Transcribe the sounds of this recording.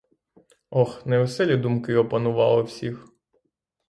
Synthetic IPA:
ɔxnɛʋɛsɛlʲid̪umkɪɔpɐnʊʋɑ̰lˠɔwsʲix

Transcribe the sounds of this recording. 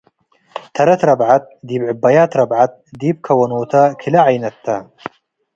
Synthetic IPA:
t̪ʰɐɾɐt̪ɾɐbʕat̪̚d̪iːbʕɪbːɐjaːt̪ɾɐbʕat̪̚d̪iːb̚kʰɐwɐnoːt̪ʰakʰilɐʕajnɐt̪ʰːɐ

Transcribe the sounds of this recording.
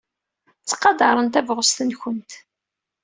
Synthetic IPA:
t͡sːqɑd̪ɑɾˤənt̪ævʁəst̪ənçənt̪

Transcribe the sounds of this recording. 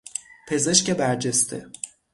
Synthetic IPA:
pʰe̞ze̞ʃcebæɾd͡ʒest̪ʰḛ

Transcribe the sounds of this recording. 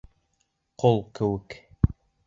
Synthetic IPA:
qolˠkɘ̆wɘk

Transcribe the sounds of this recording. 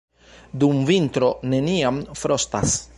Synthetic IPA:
d̪umvint̪ɾo̞ne̞niamfɾost̪a̰s

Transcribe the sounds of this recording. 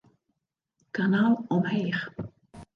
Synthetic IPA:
kanaːlˠɔmhejχ

